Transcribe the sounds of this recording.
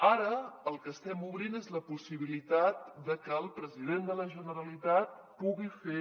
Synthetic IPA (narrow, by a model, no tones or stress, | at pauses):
aɾəːlˠkəːst̪ɛmuβɾinezləpusiβ̞ilit̪at̪̚d̪əkəːlˠpɾəziðend̪ələʒənəɾəlit̪at̪̚ | puɣife